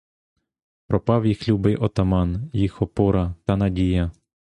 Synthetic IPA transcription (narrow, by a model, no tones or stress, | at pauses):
pɾɔpɑwjixlʲubɪjʔɔt̪ɐmɑnjixɔpuɾɐt̪ɐnɐdʲijɐ